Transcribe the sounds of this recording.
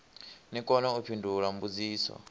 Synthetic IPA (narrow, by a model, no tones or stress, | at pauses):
nikʼɔnɔupʰindʱulam̩bud͡ziːswɔ̰